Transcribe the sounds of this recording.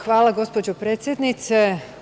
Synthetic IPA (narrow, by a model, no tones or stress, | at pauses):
xʋaːlaɡo̞spo̞d͡ʑopɾeːt̪sʲjed̪nit̪se